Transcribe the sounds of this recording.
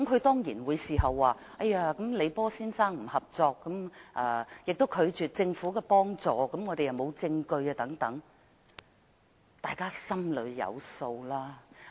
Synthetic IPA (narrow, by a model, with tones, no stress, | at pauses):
kɐ˦mkʰɵ˨˧ɥt̪ɔː˥ŋjiː˨˩nwuː˨˧jsiː˨ɦɐ˨wːaː˨˩ | ʔɐ˥jaː˧kɐ˨˥mle˨˧jpɔː˥siː˥nsaː˥ŋm̩˨˩hɐ˨p̚t͡sɔː˧kːɐ˨˥mʔɐː˨˧jɪ˨k̚t̪o˥wkʰɵ˨˧ɥt͡ʃyː˨t̚t͡sɪ˧ŋfuː˨˥kɛ˧pɔː˥ŋt͡sɔː˨˧kɐ˨˥mŋɔ˨˧ɾe˨jɐ˨wmo˨˧wt͡sɪ˧ŋkɵ˧ɥaː˧t̪ɐ˨˥ŋt̪ɐ˨˥ŋ | t̪aː˨˩jkaː˥sɐ˥mlɵ̰˨˧ɥjɐ̰˨˧wso˧wlaː˥